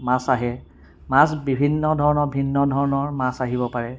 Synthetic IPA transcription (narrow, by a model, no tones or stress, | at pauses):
masaɦɛ | masbibʱinːɔdʱɔɹɔnɔɹbʱinːɔdʱɔɹɔnɔɹmasaɦibɔpaɹɛ